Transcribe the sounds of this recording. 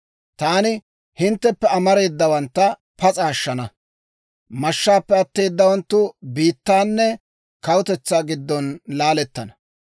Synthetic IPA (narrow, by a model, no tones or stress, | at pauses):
t̪aːnɪ | hɪnt̪ːɛpːɛɐmɐɾe̞ːd̪ːɐwɐnt̪ːɐ | pɐt͡sʼaːʃːɐnɐ | mɐʃːaːpːɛɐt̪ːe̞ːd̪ːɐwɐnt̪ːʊbiːt̪ːaːnːɛ | kɐwʊt̪ɛt͡sːaːɡɪd̪ːɔnlaːlɛt̪ːɐnɐ̥